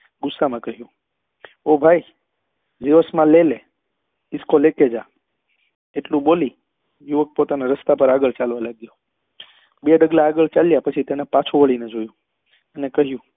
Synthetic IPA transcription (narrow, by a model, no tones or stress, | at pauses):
ɡʊsːamãkəɦjũ | obʱaj | d͡ʒiʋəsmãlele | ɪskoleked͡ʒa | eʈlũɓoli | juʋək̚pot̪anaɾəst̪apəɾaɡəɭt͡ʃalʋalaɡjo | beɖəɡlaːɡəɭt͡ʃaljapət͡ʃʰit̪enapat͡ʃʰũʋəɭined͡ʒojũ | ənekəɦjũ